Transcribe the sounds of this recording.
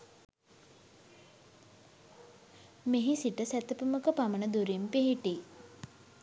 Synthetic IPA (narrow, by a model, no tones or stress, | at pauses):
meɦisiʈəsæt̪əpəməkəpamənəd̪uɾimpeɦiʈi